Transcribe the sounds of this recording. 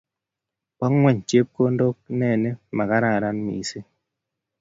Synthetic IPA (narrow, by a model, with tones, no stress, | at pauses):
pɔ˦ŋwɛ˦˨ɲt͡ʃje˦p̚ko˦ndo˦k̚nɛ˦˨nɛ˦ma˨ka˦ɾa˦˨ɾa˦nmḭ˨se˦